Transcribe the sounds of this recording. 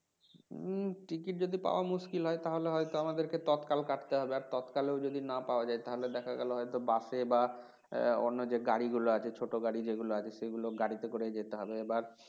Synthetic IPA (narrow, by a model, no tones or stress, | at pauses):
ʈikiʈ̚d͡ʑod̪ipa̰oamuʃkilɦɔet̪aɦoleɦɔjt̪oamad̪eɾket̪ɔt̪kalkaʈt̪eɦɔbeaɾt̪ɔt̪kaleoʊd͡ʑod̪inapaoad͡ʑajt̪aɦoled̪ɛkʰaɡɛloɦɔjt̪obaʃeba | o̰nːod͡ʑeɡaɽiɡuloat͡ɕʰet͡ɕʰoʈoɡaɽid͡ʑeɡuloat͡ɕʰeʃeɡuloɡaɽit̪ekoɾed͡ʑet̪eɦɔbeebaɾ